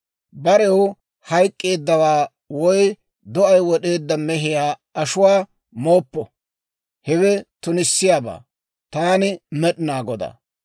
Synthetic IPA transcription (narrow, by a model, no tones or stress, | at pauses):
bɐɾɛw | hɐjkʼːe̞ːd̪ːɐwaː | wɔj | d̪ɔʔɐjwɔɗe̞ːd̪ːɐmɛɦɪjaːɐʃʊwaː | mo̞ːpːɔ | hɛwɛt̪ʊnɪsːɪjaːba̰ː | t̪aːnɪmɛɗɪnaːɡɔd̪a̰ː